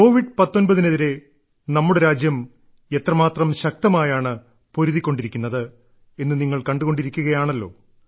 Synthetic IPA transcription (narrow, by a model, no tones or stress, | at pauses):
ko̞ːʋiɖɨpɐt̪ːo̞nbɐðine̞ðiɾe̞ | nɐmːuɽe̞ɾaːd͡ʑjɐm | e̞t̪rɐmaːt̪rɐmɕɐk̚t̪ɐmaːjaːɳɨ | po̞ɾuðikʲːo̞ɳɖiɾikʲːunːɐðɨ | e̞nːɨniŋːɐɭkɐɳɖuɣo̞ɳɖiɾikʲːuɣɐjaːɳɐlːo̞̰ː